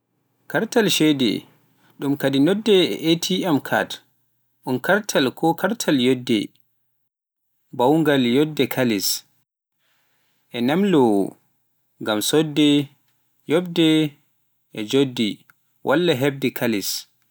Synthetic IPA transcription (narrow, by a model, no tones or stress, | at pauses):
kaɾtalʃɛdɛ̰ | ɗumkadinɔdːɛɛ̰ʔetʰiamkʰa̰t | ɗunkaɾtʰalkʰɔkʰaɾtʰaljodːɛ̰ | bawŋɡaljɔdːɛkʰalis | ʔɛnamlɔw̰ | ŋɡamsɔdːɛ | jɔbdɛ | ʔɛd͡ʒodːi | wʔalːaɦɛb̚dɛkʰalis